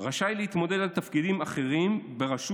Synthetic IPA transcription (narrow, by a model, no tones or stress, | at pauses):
ʁaʃajleit̪mo̞d̪edalt̪afkid̪imaχe̞ʁimbe̞ʁaʃu